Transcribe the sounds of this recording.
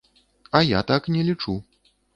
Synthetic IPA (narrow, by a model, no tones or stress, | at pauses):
ɐjat̪aknʲɛlʲit͡ʂu